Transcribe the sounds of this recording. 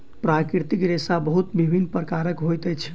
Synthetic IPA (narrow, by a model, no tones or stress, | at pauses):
pɾakɾiɾt̪ikɾesabəɦut̪bibʱinːpɾəkaɾəkɦojt̪əjt͡ʃʰ